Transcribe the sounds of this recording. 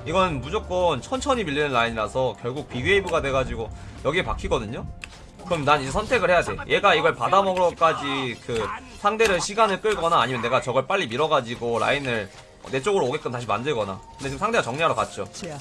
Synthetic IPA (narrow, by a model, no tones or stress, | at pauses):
iɡʌnɯnmud͡ʑok͈ʌnt͡ɕʰʌnt͡ɕʰʌɲimiʎːinɯnɾaiɲiɾasʰʌkjʌɭɡuk̚piɡɥeibuɡadwe̞ɡad͡ʑiɡojʌɡiepakʰiɡʌdɯɲo | kɯɾʌmjʌnanid͡ʑe̞sʰʌntʰe̞ɡɯɭhe̞jade̞o̰jʔe̞ɡaiɡʌɭpadamʌɡɯɾʌk͈ad͡ʑikɯ | sʰaŋde̞ɾɯɕʰiɡanɯɭk͈ɯɭɡʌnaːɲimjʌne̞ɡat͡ɕʌɡʌɭp͈aʎːimiɾʌɡad͡ʑiɡoɾa̰inɯɭ | ʌ̰ne̞t͡ɕ͈oɡɯɾoːɡet̚k͈ɯntaɕ̬ʰimandɯɭɡʌna̰kkɯndet͡ɕɯmsʰaŋde̞ɡat͡ɕʌŋɲaɾoka̰t̚t͡ɕ͈o